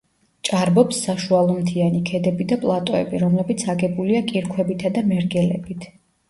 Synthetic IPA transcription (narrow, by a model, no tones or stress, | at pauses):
t͡ʃʼaɾbɔpsːaʃualˠɔmt̪ʰianikʰɛd̪ɛbid̪apʼlˠat̪ʼɔɛ̰biɾɔmlɛbit̪sʰaɡɛbuliakʼiɾkʰwɛbit̪ʰad̪amɛɾɡɛlɛ̰bit̪ʰ